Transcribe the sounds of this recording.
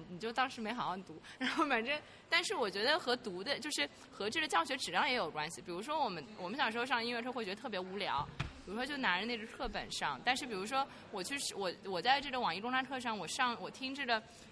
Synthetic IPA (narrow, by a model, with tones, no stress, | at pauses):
ni˨˩t͡ɕjo˥˩ʊt̪ɑ˥ŋʂɻ̩˧˥me˧˥ɪxɑ˨˩wɑ˥˩t̪u˧˥ɻa˧˥nxo˥˩ʊpə˨˩nʈ͡ʂə˥n | t̪a˥˧nʂɻ̩˥˩wɔ˨˩t͡ɕɥɛ˧˥d̪ə˧xɤ˧˥t̪u˧˥d̪ə˧t͡ɕjo˥˧ʊʂɻ̩˥˩ | xɤ˧˥ʈ͡ʂɤ˥˩ɡə˩t͡ɕjɑ˥˩ʊɕɥɛ˧˥ʈ͡ʂɻ̩˨˩jɑ˥ŋjɛ˧˥jo˨˩ʊkwa˥nɕi˨˩pi˨˩ɻu˧˥ʂ̬wɔ˥wɔ˨˩mə˦nwɔ̰˨˩mə˦nɕjʂɻ̩˧˥˧jɑ˥˧ŋ˧˥nwɛ˥˩ʈ͡ʂʰwe˥˩ɥɛ˧˥ə˧t̪ʰɤ˥˩p̬jɛ˧˥u˧˥ljɑ̰˧˥ʊpi˨˩ɻu˧˥ʂwɔ˥t͡ɕjo˥˩na˧˥ə˧ne˥˩ɡə˥t̪ʰɤ˥˩pə̰˨˩nʂɑ˥˩ŋt̪a˥˧nʂɻ̩˥˩p̬i˨˩u˧˥ʂ̬wɔ˥ | wɔ˨˩t͡ɕʰy˥˩˧ʂ̩˥˩wɔ˨˩wɔ˨˩t͡sa˥˧ɪʈ͡ʂɤ˥˩ɡə˩wɑ˨˩ŋi˥˩ʈ͡ʂʊ˥ŋʈ͡ʂa˥nʈ͡ʂʰɤ˥˧ʂ̬ɑ˥˩ŋwɔ˨˩ʂɑ˥˩ŋwɔ˨˩t̪ʰi˥ŋʈ͡ʂɤ˥˩ɡə˩